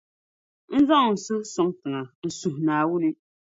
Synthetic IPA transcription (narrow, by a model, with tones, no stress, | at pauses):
n̩˦za˦ŋʊ˨ŋ˨sɨ˦sɔ˦ŋtɨ˨ŋa˨n̩˨su˨hnaː˨wu˦li˦